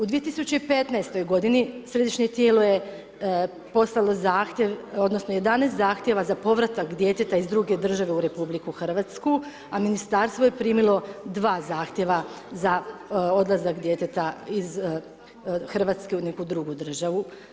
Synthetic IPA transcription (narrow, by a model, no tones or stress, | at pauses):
ud̪ʋije̞t̪isut͡ɕeipe̞t̪najst̪o̞jɡo̞d̪inisɾe̞d̪iʃɲet̪je̞ːlo̞je | po̞slalozaːxt̪jeʋo̞d̪nosnoje̞d̪aneːst̪zaːxt̪jeʋazapo̞ʋɾat̪akd̪je̞t̪et̪aizd̪ɾuɡe̞d̪r̩ʒaʋe̞uɾe̞publikuxr̩ʋat̪sku | aminist̪aɾst̪ʋo̞je̞pɾiːmilˠo̞d̪ʋaːzaːxt̪je̞ʋa | zao̞d̪lˠazakd̪je̞t̪et̪aiz | xr̩ʋat̪ske̞une̞kud̪ɾuɡud̪r̩ʒaʋu